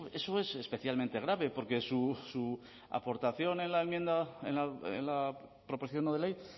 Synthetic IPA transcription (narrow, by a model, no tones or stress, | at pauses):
e̞so̞e̞se̞spe̞θjalmẽnt̪e̞ɣ̞ɾaβe̞po̞ɾke̞susu | a̰po̞ɾt̪aθjo̞ne̞nlaemje̞nd̪aḛnlaḛnla | pɾopo̞siθjonoðelej